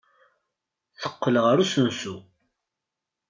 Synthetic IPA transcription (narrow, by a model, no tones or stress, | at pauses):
θə̥qːəlʁəɾusənsu